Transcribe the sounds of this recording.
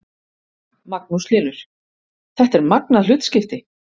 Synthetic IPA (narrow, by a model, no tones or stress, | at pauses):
mak̚nuslɪːnʏɾ̥ | θɛht̪ɛɾmaknaðlʏːt̪scɪft̪ɪ